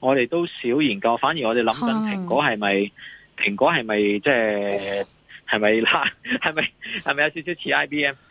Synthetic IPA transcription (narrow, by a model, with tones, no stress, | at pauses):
ŋɔː˨˧t̪e˨jt̪o˥wsiː˨˥wjiː˨˩nkɐ˧wfaː˨˥nji˨˩ŋɔː˨˧e˨jlɐ˨˥mkɐ˨˧npʰɪ˨˩ŋkɔː˨˥ɦɐ˨jmɐ˨jpʰɪ˨˩ŋkʷɔː˨˥ɦɐ˨jmɐ˨jt͡sɛː˥˩ | hɐ˨jmɐ˨jlaː˧˥hɐ˨jmɐ˨˧jhɐ˨jmɐ˨jɐ˧wsiː˧˥siː˨˥wt͡sʰiː˧˥ʔaː˥jpiː˥ɛː˥m